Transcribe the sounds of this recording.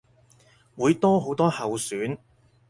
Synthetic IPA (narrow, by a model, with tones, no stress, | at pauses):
wuː˨˧jt̪ɔː˥ɦo˨˧˥wt̪ɔː˥hɐ˨wsyː˨˥n